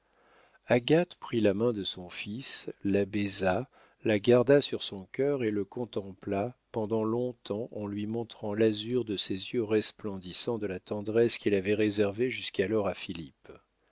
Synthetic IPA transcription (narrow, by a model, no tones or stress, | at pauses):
aɡat̪pχilamɛ̃d̪əsɔ̃fislabɛza | laɡaʁd̪asyʁsɔ̃kʲœʁeləkɔ̃t̪ɑ̃plapɑ̃d̪ɑ̃lɔ̃t̪ʰɑ̃ʔɑ̃lɥimɔ̃t̪χɑ̃lazyʁd̪əsezjøʁɛsplɑ̃d̪isɑ̃d̪əlat̪ɑ̃d̪ʁɛskʲilavɛʁezɛʁveʒyskalɔʁafilip